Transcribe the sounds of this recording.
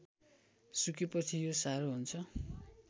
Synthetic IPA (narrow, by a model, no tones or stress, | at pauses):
sukepʌt͡sʰijosaɾoɦunt͡sʰʌ